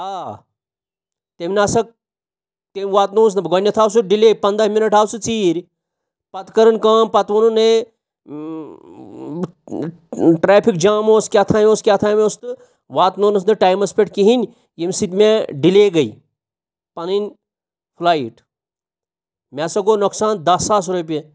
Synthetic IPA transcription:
aː | t̪emʲnaːsɐk̚ | t̪emʲʋaːt̪noːs̬nɐbɡɐnʲːɐt̪ʰaːws̬uɖileːpɐnd̪aɦminɐʈʰaːwsɨt͡siːɾʲ | pɐt̪kɐɾɐnkaːmpɐt̪ʋɐnune | ʈɾaːpʰik̚d͡ʒaːmoːskʲaːt̪ʰaːmʲoskʲat̪ʰaːmost̪ɨ | ʋaːt̪noːnɐs̬nɨʈaːjmɐspʲeʈkiɦinʲ | jemʲsit̪meɖileːɡɐi | pɐninʲ | pʰlaːiʈ | mʲesɐɡoːnɐksaːnd̪ɐsaːsɾopʲije

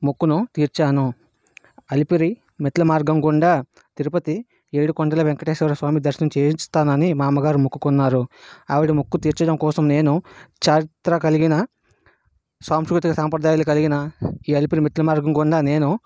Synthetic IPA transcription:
mukːunut̪iːɾt͡ʃaːnu | ɐlipiɾi | mit̪ʰːlɐmaːɾɡɐmɡɔɳɖaː | t̪iɾupɐt̪i | eːɽukɔɳɖɐlɐʋeŋkɐʈeːsɛʋɐɾɐsʋaːmid̪ɐɾʃɐnt͡ʃeːist̪aːnɐnimaːmɐɡaːɾumukːukunːaːɾuaːʋiʈimukːut̪iːɾt͡ʃɐɽɐmkɔːsɐmne̞ːnut͡ʃaːɾit̪ɾɐkɐliɡinɐ | sʋaːmʃukɾut̪ikɐsɐmpɾɐd̪aːjaːlukɐliɡinɐiːɐlipiɾimet̪ʰːlɐmaːɾɡɐmɡɔɳɖaːne̞ːnu

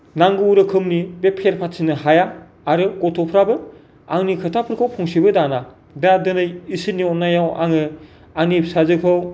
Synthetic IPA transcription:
naŋɡɯɾɯkʰɯmnibepʰːeɾpʰatsʰinɯɦajaː | ɾɯkɔtʰopʰɾabɯ | aŋnikʰɯtʰapʰɯɾkʰɯwpʰuŋsibɯdana | dadɯnɯjisɯnːiɔnːajawʔa̰ŋɯ | anip̚sazɯkʰɯw

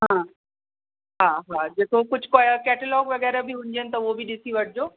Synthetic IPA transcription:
ɦã | ɦaːɦad͡ʑeːkokʊd͡ʑʱkokɛːʈəlɔːɡʋɐɡɛːɾabiɦʊ̃ɲ̆d͡ʑenɪ̆t̪ɐʊɦobʱiɗɪsiʋɐʈʰɪd͡ʑoː

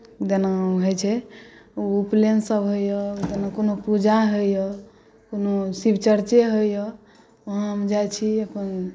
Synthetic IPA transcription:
d̪enaɦəjt͡ʃʰɛ | uplensəbɦojjəd̪enakonopud͡ʒaɦojɔ | konosibt͡ʃəɾt͡ʃeɦojjə | əɦãɦəmd͡ʒajt͡ʃʰiəpən

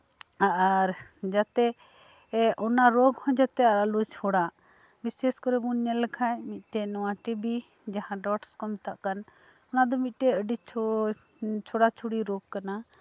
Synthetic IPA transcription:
aʔaɾd͡ʒat̪ɛ | ʔɔnaɾɔɡhɔ̃d͡ʒat̪ɛaɾalut͡ʃʰɔɽa | biseskɔɾɛbuɲɛlɛkʰajmit̪̚ˀʈɛnɔwaʈibi | d͡ʒaɦãɖɔʈskɔmit̪aʔkan | ɔnad̪ɔmit̪̚ˀʈɛəɖit͡ʃʰ | t͡ʃʰɔɽat͡ʃʰuɽiɾɔɡ̚kana

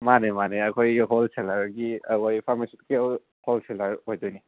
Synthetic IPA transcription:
manemaneɐkʰojɡɦolselaɾɡiɐkojpʰamisitkiw | holselaɾojdojni

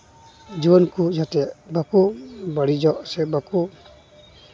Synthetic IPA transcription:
d͡ʒibɔnkud͡ʒat̪ɛʔbakubaɽid͡ʒɔʔsɛbaku

